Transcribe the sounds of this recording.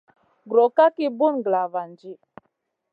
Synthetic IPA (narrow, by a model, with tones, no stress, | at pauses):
ɡɾo˨ka˦ki˦bu˦nɡla˨va˨nd͡ʒi˦